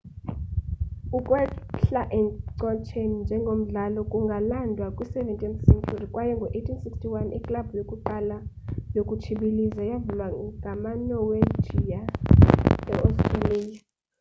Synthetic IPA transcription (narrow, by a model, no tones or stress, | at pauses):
ukʼwɛɬaʔɛǀɔt͡ʃʰenind͡ʒʱɛŋɡʱom̩ɮalɔkʼuŋɡʱalandʱwakʼwisɛvɛntʼɛmsɛmtʰɔrikʼwajɛŋɡʱɔʔetʰinsikstʰiwanḭkʼlabujokʼuǃala | jokʼut͡ʃʰiɓilizajavulwaɡʱamanɔwe̥d͡ʒʒ̥ʱija | ɛ̰ʔɔstʼralija